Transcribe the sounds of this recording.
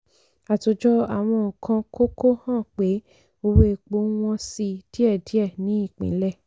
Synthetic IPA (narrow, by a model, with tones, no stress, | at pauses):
a˨to˨˦d͡ʒɔ˦a˨w̃ɔ̃ː˧˨kʰã˧ko˦ko˦hã˦˨k͡pe˨˦ | o˧we˦˧˨k͡po˦w̃ɔ̃˧si˧d̥i˦ɛ˦˨di˦ɛ˦˨nĩ˨˦i˦˨k͡pḭ̃˨˦lɛ˦˨